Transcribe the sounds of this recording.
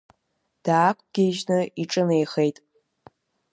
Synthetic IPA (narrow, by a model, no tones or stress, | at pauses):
d̥aːkʷʼɡ̥ʲeʒnɨiʈ͡ʂʼɨnejχejtʼ